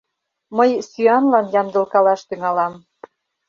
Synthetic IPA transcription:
məjsyɑnlɑnjɑnd̪ə̆lkɑlɑʃt̪yŋɑlɑm

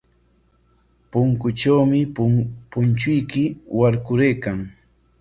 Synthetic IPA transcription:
pʊŋkʊt͡ʃawmɪpʊnt͡ʃʊjkɪwaɾkʊɾejkaŋ

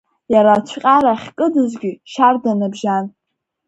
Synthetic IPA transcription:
jaɾat͡ʃʷʰqʲʼaɾaχʲkʼɨdɨzɡʲɪʃardanabʒan

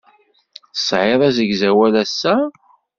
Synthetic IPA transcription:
θsʕɪðˤæzəɡzæwælæsːæ

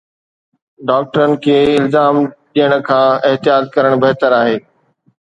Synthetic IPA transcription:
ɖaːk̚ʈəɾənɪ̆kʰeːɪlzaːmɗijəɽ̃̆kʰãːɪɦt̪ɪjaːd̪̚kɐɾəɽ̃bɐɦt̪əɾaːɦeː

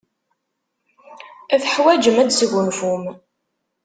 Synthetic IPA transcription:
æθəħwæd͡ʒəmæd̪səʝʷʊnfum

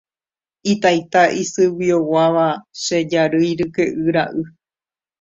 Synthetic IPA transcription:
it̪ajt̪aʔisɨwiowaʋaʃed͡ʒaɾɨjɾɨkeʔɨɾaʔɨ

